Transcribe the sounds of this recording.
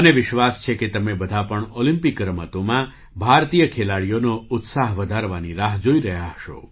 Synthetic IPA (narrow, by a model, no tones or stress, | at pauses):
əneʋɪʃʋast͡ʃʰeket̪əmebəd̪ʱapəɳolimpikːɾəmət̪omã | bʱaɾt̪ijəkʰelaɽijonoʊt̪saɦʋəd̪ʱaɾʋaniɾaɦd͡ʒoiɾəɦjaɦəʃo̰